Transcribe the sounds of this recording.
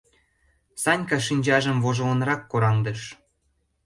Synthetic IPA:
sɑnʲkɑʃinʲt͡ɕɑʒə̆mvoʒŏlənɾɑkːoɾɑŋd̪əʃ

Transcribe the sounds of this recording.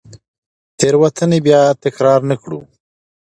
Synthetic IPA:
t̪eɾwat̪ʰənebjɑt̪ɪkɾɑɾnəkɽṵ

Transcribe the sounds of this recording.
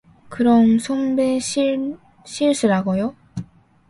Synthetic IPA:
kɯɾʌmsʰombeɕi | ɕʰiɭs͈ʰɯɾaɡojo

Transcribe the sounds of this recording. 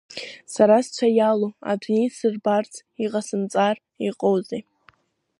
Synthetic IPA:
saɾast͡ɕʷʰajaloa̰dnejsɨrbart͡sʰ | iqasɨmt͡sʼar | iqʼowze

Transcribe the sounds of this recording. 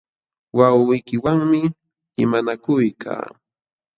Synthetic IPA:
wawɪjkɪwaŋmɪ | ɪmanakʊjkʰa̰ː

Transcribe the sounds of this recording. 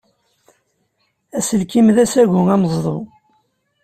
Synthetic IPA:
æsəlkimðæsæʝʊæmzˤðˤo̰

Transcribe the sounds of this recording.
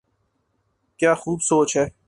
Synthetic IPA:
kjaːxuːbsoːt͡ʃɦɛː

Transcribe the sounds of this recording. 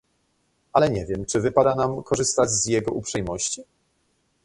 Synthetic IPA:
alɛɲɛvʲjɛmt͡ʂɘvɘpad̪anamkɔʐɘst̪ad͡ʑzjɛɡɔupʂɛjmɔɕt͡ɕi

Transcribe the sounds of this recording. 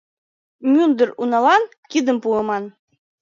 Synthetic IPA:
mʲund̪ərunɑlɑn | kid̪ə̆mpuəmɑn

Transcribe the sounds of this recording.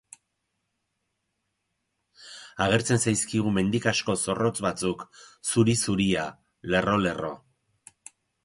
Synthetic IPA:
aɣ̞e̞ɾt͡se̞nsajskiɣ̞ume̞nd̪ikasko̞so̞ro̞t͡sβat͡suksuɾisuɾia | le̞ro̞le̞ro̞̰

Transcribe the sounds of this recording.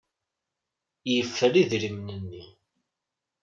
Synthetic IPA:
jəfːəɾiðɾimnənːi

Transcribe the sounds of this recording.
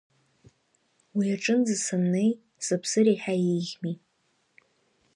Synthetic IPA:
wiaʈ͡ʂʼɨnd͡zɨsɨmnej | sɨpʰsɨɾeħajejʁʲmi

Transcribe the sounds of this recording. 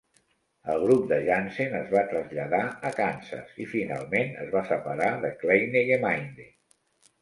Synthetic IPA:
əlˠɣɾup̚d̪əʒansenəzβat̪ɾəzʎəðaəkansə̰sifina̰lˠmenə̰zβasəpəɾaðəklejneɣemajnd̪e

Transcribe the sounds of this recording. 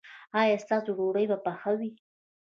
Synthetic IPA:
ɑjɑst̪ɑsoɾoɽəjbapaxawi

